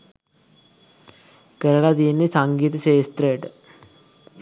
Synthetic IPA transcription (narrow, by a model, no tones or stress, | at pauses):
kɛɾɐɭat̪ijenːisaŋɡiːt̪əʃeːst̪ɾeːʈə